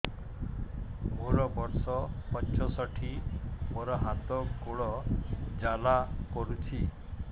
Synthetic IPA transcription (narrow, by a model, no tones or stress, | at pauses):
moɾɔbɔɾsɔpɔɲt͡ʃʰɔsɔʈʰimoɾɔɦat̪ɔɡoɭɔd͡ʒalakɔɾut͡ʃʰi